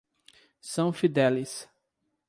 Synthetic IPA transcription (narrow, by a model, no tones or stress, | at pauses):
sɐ̃w̃fid̪ɛlɪs